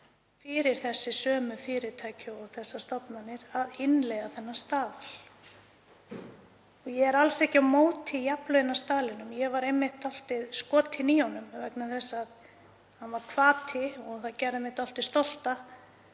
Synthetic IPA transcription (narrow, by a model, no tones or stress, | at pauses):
fɪːɾɪɾ̥θɛsːɪsœːmʏfɪːɾɪt̪ʰaːjcʏɔɣθɛsːast̪ɔpnanːɪɾaðɪnlɛɣaθɛnːḁst̪aːðl | ɔɣjɛɛɾalsɛhcɪawmoːwt̪ʰɪjaplœjɪnḁst̪aːðlɪnʏmjɛɣvaɾejmːɪht̪ɔl̥t̪ɪðskɔːt̪ʰɪniːɔnʏmvɛknaθɛsːað | hanvaɾkʰvaːt̪ʰɪɔɣθaðcɛɾðemɪht̪ɔl̥t̪ɪst̪ɔl̥t̪a